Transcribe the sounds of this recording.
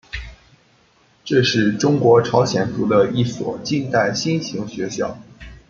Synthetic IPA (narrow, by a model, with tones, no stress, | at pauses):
ʈ͡ʂɤ˥˧ʂɻ̩˥˩ʈ͡ʂʊ˥ŋkwɔ˧˥ʈ͡ʂʰɑ˧˥ʊɕjɛ˨˩nt̪u˧˥d̪ə˧i˥˩swɔ̰˨˩t͡ɕi˥˧nt̪a˥˩ɪɕi˥nɕi˧˥ŋɕɥɛ˧˥ɕjɑ˥˩ʊ